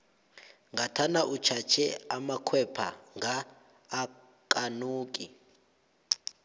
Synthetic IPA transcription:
ŋɡʱatʰanaʔut͡ʃʰat͡ʃʰɛamakʰwɛpʰa̰ŋɡaː | kʼanuːk̬ʼi

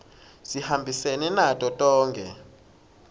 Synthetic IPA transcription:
z̥ihambʱisenɛnatʼɔtʼɔːŋkʰʼɛ̰

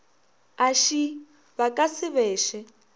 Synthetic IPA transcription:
aʃi | βakʼasɪβɛːʃɛ

